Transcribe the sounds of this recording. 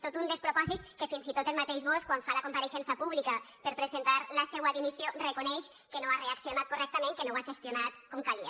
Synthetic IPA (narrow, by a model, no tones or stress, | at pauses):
t̪ot̪und̪espɾopɔzit̪̚kefinzit̪ot̪elmat̪eʒβoskwaɱfalakompaɾeʃɛnsapuβlikəpeɾpɾezent̪aɾlasewaðimisjorekonɛʃ | kenoareaksionat̪korɛk̚t̪əmẽŋkenowaʒest̪jonat̪komkalia